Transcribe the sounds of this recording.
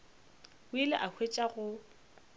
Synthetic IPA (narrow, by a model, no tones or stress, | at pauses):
ʊɪlɪʔahʰwet͡ʃʼaɣʊ